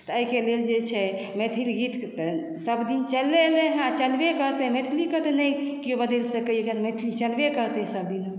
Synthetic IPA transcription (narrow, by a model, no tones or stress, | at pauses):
t̪əəikeleld͡ʒet͡ʃʰɛ | met̪ʰilɡit̪ʰt̪ | səbd̪int͡ʃəlːeleɦãat͡ʃəlbekəɾt̪ɛmet̪ʰilikət̪ənəjkijobəd̪elsəkəeɡənmet̪ʰilit͡ʃəlbekəɾt̪ɛɦsəbd̪in